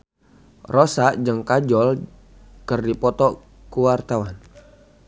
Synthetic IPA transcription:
rɔsaʔd͡ʒəŋkad͡ʒɔl | kɨrdipɔt̪ɔ | kuwart̪awan

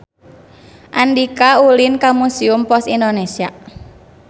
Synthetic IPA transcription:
ʔandikaulinkamusiʊmpɔsindonesia

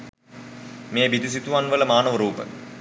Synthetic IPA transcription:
meːbid̪is̬it̪uʋanʋələmaːnəʋəɾuːpə̰

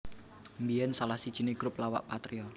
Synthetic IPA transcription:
mbiɛnsalahsid̥ʒ̥i̤neɡ̥ɾuplawa̰ʔpat̪ɾiɔ

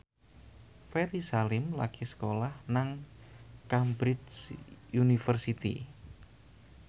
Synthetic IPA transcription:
feɾisalɪmlakisə̥kolahnaŋ | kambɾɪdsjunifərsit̪ḭ

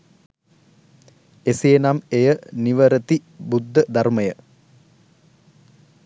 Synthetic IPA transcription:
eseːnamejəniʋəɾət̪ibud̪ʱːəd̪ʱarməjə

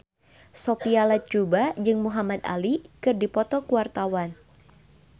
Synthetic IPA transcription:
sopialat͡ʃubad͡ʒɨŋmuɦamat̪a̰likɨrdipɔt̪ɔkuwart̪awan

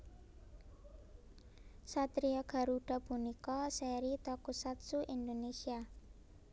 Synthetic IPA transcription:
sat̪ɾiɔɡ̥a̤ɾuɖ̥a̤bunikɔsɛɾit̪ɔkusat̪suʔind̪onesia

